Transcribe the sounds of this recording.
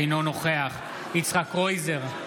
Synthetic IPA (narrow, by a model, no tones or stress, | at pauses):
ejnonoχeaχ | it͡sχakʁojze̞ʁ